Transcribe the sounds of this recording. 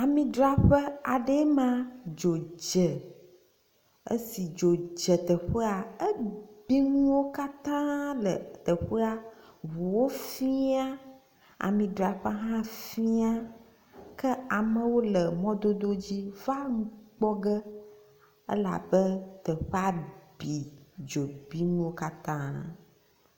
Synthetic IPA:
a˨mĩ˨ɖɾa˨ɸə˦a˨ɖɛ˦mã˦d͡ʒo˨d͡ʒə˨ | ə̰˦si˨d͡ʒo˨d͡ʒə˨t̪ə˨ɸə˦a˨ə˦bi˦ŋũ˦wo˦ka˦t̪ã˦lə̰˨t̪ə˨ɸə˦a˨βu˨wo˦fi˦a˦ | a̰˨mĩ˨ɖɾa˨ɸa˦ɦã˦fĩ˦a˦ | kə˦a˨mə̃˨wo˦lə˨mɔ̃˦d̪o˦d̪o˦d͡ʑi˦va˦ŋũ˦k͡pɔ˦ɡə˦ | ə̰˦la̰˨bə˦t̪ə˨ɸɛ˦a˨bi˨d͡ʒo˨bi˦ŋũ˦wo˦ka˦t̪ã˦

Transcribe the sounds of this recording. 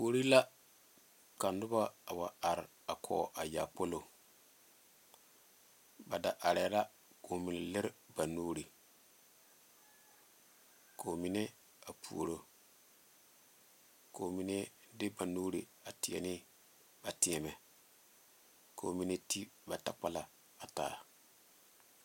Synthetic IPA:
pu˨o˨ɾi˦la˦ | ka˨ndʊ˦ba˦a˨wa˨a˨ɾ | a˨kʰɔ̰ː˨ʔa˨ja̰˨po˦lo˨ | ba˨da˨ʔa˨ɾɛ˨˦la˦ | ko˨mi˨ne˨lɪ˦ɾba˨nuː˦ɾi˨ | ko˨mi˨˦ne˦ | a˨pʰu˨o˨ɾo˦ | koː˨mi˨˦ne˦ | dɪ˦ba˨nuː˦ɾi˨ | a˨ti˨ɛ̰˨nɪ˦ | ba˨ti˨ɛ˨mɛ˨ | kʰo˨mi˨ne˦ti˦ba˨ta˨k͡pa˦la˨ | a˨ta̰ː˨˦˨

